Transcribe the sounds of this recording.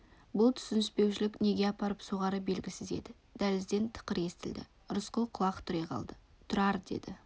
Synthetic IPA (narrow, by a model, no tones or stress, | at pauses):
bʊlˠt̪ʰʏ̥sɪnɪspe̞wʃɪlɪkne̞ɡʲe̞ɑpɑɾəpsoʁɑɾəbe̞lɡʲɪsɪze̞̰d̪ɪ | d̪̥ælɪzd̪e̞nt̪ʰə̥qəɾe̞st̪ɪld̪ɪ̰ | ɾʊsqʊlˠqʰʊlˠɑqt̪ʰʊɾejqʰɑ̰lˠd̪ə | t̪ʰʊɾɑɾd̪e̞̰d̪ɪ